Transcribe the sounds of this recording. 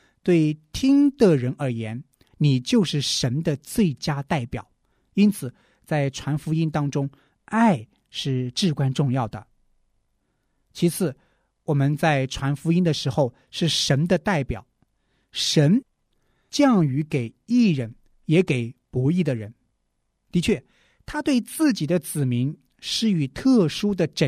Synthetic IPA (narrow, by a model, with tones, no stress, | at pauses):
t̪we˥˩ɪt̪ʰi˥ŋt̪ə˥˩ɻə˧˥nə˞˧˥jɛ˧˥n | ni˨˩t͡ɕjo˥˧ʊʂɻ̩˥˩ʂə˧˥nd̪ə˧t͡swe˥˩ɪt͡ɕja˥t̪a˥˩ɪpjɑ̰˨˩˦ʊ | i˥nt͡sʰɹ̩˨˩ | t͡sa˥˩ɪʈ͡ʂʰwa˧˥nfu˧˥i˥nt̪ɑ˥ŋʈ͡ʂʊ˥ŋ | a˥˧ɪ | ʂɻ̩˥˧ʈ͡ʂɻ̩˥˩kwa˥nʈ͡ʂʊ˥˧ŋjɑ˥˩ʊd̪ə̰˩ | t͡ɕʰi˧˥t͡sʰɹ̩˥˩ | wɔ˨˩mə˦nt͡sa˥˩ɪʈ͡ʂʰwa˧˥nfu˧˥i˥nd̪ə˨ʂɻ̩˧˥xo˧ʊ | ʂɻ̩˥˩ʂə˧˥nd̪ə˧t̪a˥˩ɪpjɑ̰˨˩˦ʊ | ʂə˧˥n | t͡ɕjɑ˥˩ŋy˧˥ke˨˩ɪi˥˩ɻə˧˥n | jɛ˧˥ke˨˩ɪpɔ˧˥i˥˩d̪ə˩ɻə˧˥n | t̪i˧˥t͡ɕʰɥɛ˥˩ | t̪ʰa˥t̪we˥˧ɪt͡sɹ̩˥˩t͡ɕi˨˩d̪ə˦t͡sɹ̩˨˩mi˧˥ŋ | ʂɻ̩˥˩y˨˩t̪ʰɤ˥˩ʂu˥d̪ə˨ʈ͡ʂə˨˩